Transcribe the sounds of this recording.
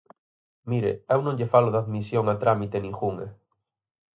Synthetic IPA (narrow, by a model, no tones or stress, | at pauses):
miɾḛewnõŋʎefaloðaðmisjoŋat̪ɾamit̪enĩŋxuŋḛ